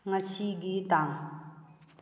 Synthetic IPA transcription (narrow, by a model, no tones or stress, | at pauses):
ŋaɕiɡit̪aŋ